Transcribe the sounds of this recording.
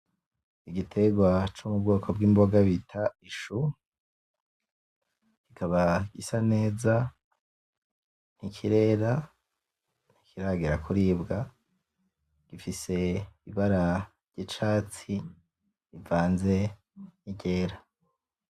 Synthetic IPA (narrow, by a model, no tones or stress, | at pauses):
iɡitʰe̞ɡwat͡ʃumub̚ɡoːkʰo̞bɡiːmbo̞ɡaβitʰaiʃu | kikʰaβaɡisane̞ːza | n̥ikʰiɾe̞ːɾa | n̥ikʰiɾaɡiɾakʰuɾiːbɡa | ɡ̥ifise̞iβaɾavɟit͡ʃaːt͡si | ivaːnze̞ | niɟe̞ːɾa